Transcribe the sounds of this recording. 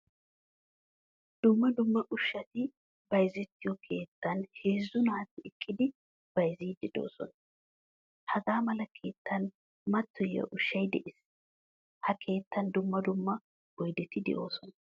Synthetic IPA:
d̪̥ʊmːɐd̪ʊmːɐʔʊʃːɐt̪ɪ | bɐjzɛt̪ːɪjɔkʰe̞ːt̪ːɐnhe̞ːzːʊnaːt̪ːɪɪkʼːɪd̪ɪ | b̥ɐjziːd̪ɪd̪o̞̰ːsɔn | hɐɡaːmɐlɐkʰe̞ːt̪ʰːɐn | mɐt̪ːɔjɐ̰ʔʊʃːɐjd̪ɛʔɪs | hɐkʰe̞ːt̪ːɐnd̪ʊmːɐd̪ʊmːɐ | wɔjd̪ɛt̪ɪd̪ɛ̰ʔo̞̰ːsɔnɐ

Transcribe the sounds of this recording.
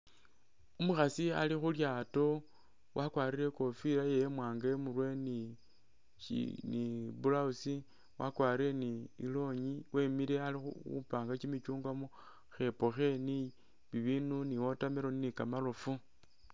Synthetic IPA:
umuxasialixuljaːto̞ | wʔakwaːɾiɾe̞ko̞fiɾajejemwaːŋɡamurwe̞ni | nibulausi | wa̰kwaːɾiɾe̞niḭlo̞ɲiwʔe̞miɾealixuṵpaːŋɡat͡ʃimit͡ʃuːŋɡwamo | xe̞poxe̞ni | βiβinuniwo̞tameɾo̞ninikamalo̞fu

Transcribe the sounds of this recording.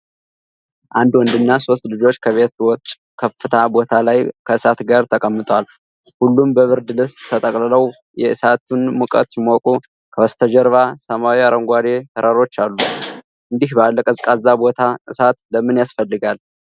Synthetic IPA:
ʔand̪wɔnd̪ɨnːaso̞st̪lɨd͡ʒo̞t͡ʃːkʰəβe̞t̪wɔt͡ʃʼ | kʰəfːɨt̪ʰabo̞t̪ʰalajkʰəɨsat̪ɡaɾt̪ʰəkʼəmːɨt̪ʼwal | hulːumbəβɨɾd̪ɨlɨst̪ʰət̪ʼəkʼlələw | jɛɨsat̪ʰunmɨkʼə̰t̪smokʼu | kʰəwɔst̪ʰəd͡ʒəɾβasəmawiaɾəŋɡʷad̪ehəɾʔaɾo̞t͡ʃːalːu | ʔɨnd̪ihbəalːəkʼəzkʼazːabo̞t̪ʰaʔɨsat̪ləmɨnjasfəlːɨɡal

